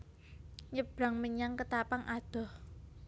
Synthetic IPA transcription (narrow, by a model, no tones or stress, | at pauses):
ɲəb̥ɾa̤ŋməɲaŋkət̪apaŋʔad̪̥ɔ̤h